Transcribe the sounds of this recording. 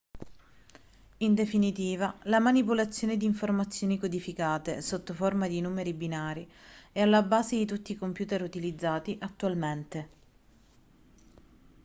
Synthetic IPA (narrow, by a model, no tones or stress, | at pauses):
ind̪efinit̪iːvalamanipolat̪sːjoːned̪iːɱformat̪sːjoːnikod̪ifikaːt̪esot̪ːoformad̪inuːmeɾibinaːɾiɛalːabaːzed̪it̪ut̪ːiːkompjuːt̪eɾut̪ilid̪zːaːt̪iʔat̪ːualment̪e